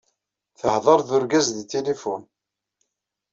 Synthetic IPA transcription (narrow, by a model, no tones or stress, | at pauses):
θəhðˤɑɾˤðʊɾɡæzðit̪elefʊn